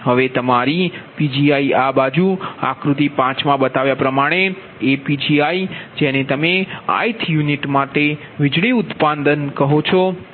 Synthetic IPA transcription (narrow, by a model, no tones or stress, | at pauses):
ɦəʋet̪əmaɾipid͡ʒiaiabad͡ʒua̰kɾut̪ipãt͡ʃmãbət̪aʋjapɾəmaɽ̃e | epid͡ʒiaid͡ʒenet̪əmea̰it̪ʰjuniʈmaʈe | ʋɪd͡ʒɭiʊt̪pand̪ənkəɦot͡ʃʰɔ